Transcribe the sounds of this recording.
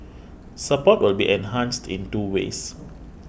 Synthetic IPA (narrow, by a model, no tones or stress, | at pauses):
səpɔt̚wɪlbiʔɛ̃nɦãnstʰḭ̃ntuwḛs